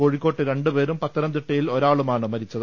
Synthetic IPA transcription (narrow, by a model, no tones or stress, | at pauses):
ko̞ːɻikkːo̞ːʈːɨɾe̞ɳɖupe̞ːɾumpɐt̪ːɐɾɐmt̪iʈːɐjilo̞ɾaːɭumaːɳɨmɐɾit͡ɕːɐðɨ